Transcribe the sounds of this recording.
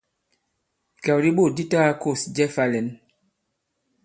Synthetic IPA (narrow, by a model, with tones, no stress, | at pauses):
kɛ˨wɾi˦ɓo˦˨di˦ta˦ko˦˨sd͡ʒɛ˦fa˦lɛ˨˦n